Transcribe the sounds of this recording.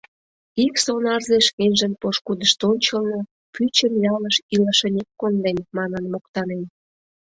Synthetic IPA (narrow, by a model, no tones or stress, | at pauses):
iksonɑrzeʃkenʲʒə̆npoʃkud̪əʃt̪onʲt͡ɕəlnɤ | pʰyt͡ɕəmjɑləʃilɑʃə̆nʲekːond̪enmɑnənmokt̪ɑnen